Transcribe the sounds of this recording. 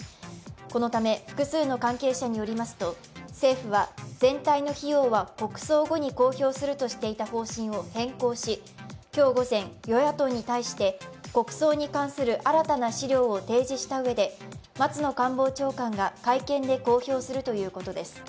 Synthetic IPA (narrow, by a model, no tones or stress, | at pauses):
ko̞no̞t̪ame̞ɸɯ̟̥kɯ̟sɨːno̞kãŋke̞ːɕaɲ̟ijo̞ɾʲimasɨ̥t̪o̞ | se̞ːɸɯ̟βaz̥ẽ̞nt̪aino̞çijo̞ːβako̞kɯ̟̥so̞ːɡo̞ɲ̟iko̞ːço̞ːsɨɾɯ̟t̪o̞ɕi̥t̪e̞it̪aho̞ːɕĩɰ̃o̞hẽ̞ŋko̞ːɕi | kʲo̞ːɡo̞zẽ̞ɰjo̞jat̪o̞ɲ̟it̪aiɕi̥t̪e̞ko̞kɯ̟̥so̞ːɲ̟ikãɰ̃sɨɾɯ̟ʔaɾat̪anaɕiɾʲo̞ːot̪e̞ːʑiɕi̥t̪aɯ̟βe̞d̪e̞mat͡sɨno̞kãmbo̞ːt͡ɕo̞ːkãŋɡakaikẽ̞nd̪e̞ko̞ːço̞ːsɨɾɯ̟t̪o̞jɯ̟ːko̞t̪o̞d̪e̞sɨ̥